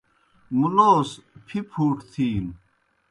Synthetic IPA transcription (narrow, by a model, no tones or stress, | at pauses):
muloːspʰipʰuːʈt̪ʰiːn